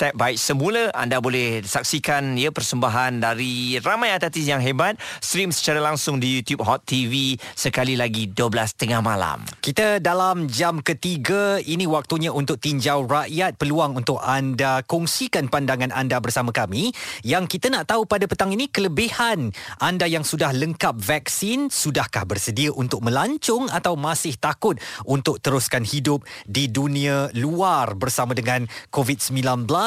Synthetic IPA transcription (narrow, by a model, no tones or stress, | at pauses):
t̪ɛp̚baɪk̚səmũləʔa̰ndabolɛhisak̚sikaniəpərsəmbaɦandaɾiramãjat̪at̪isjaŋɦebat̪̚sɾimsə̥t͡ʃaɾalaŋsʊŋdijut̪jup̚ɦɔt̪ːivisəkalilaɡiduəblast̪əŋahmala̰mkit̪ədalamd͡ʒamkət̪iɡəinĩwak̚t̪uɲãunt̪ʊk̚t̪iɲd͡ʒawraʔjat̪̚pəluaŋunt̪ʊkandakɔŋsikanpandaŋanandabərsamãkamijaŋkit̪ənaʔt̪aupadapət̪aŋinikələbihanʔandajaŋsudahləŋkap̚vak̚sɪnsudahkahbərsədiaʔunt̪ʊk̚mə̃laɲt͡ʃʊŋat̪awmasɪht̪akʊt̪̚ʔunt̪ʊk̚t̪əɾuskanhidʊp̚didunĩaluarbərsamãdəŋãnkovit̪̚səmbilanbəla